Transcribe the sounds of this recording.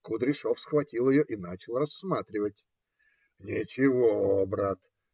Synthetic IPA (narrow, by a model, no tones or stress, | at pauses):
kʊd̪ɾʲɪʂofsxvɐtʲilˠjɪjoʔinat͡ɕɪlˠrɐsːmat̪ɾʲɪvətʲ | nʲɪt͡ɕɪvobɾat̪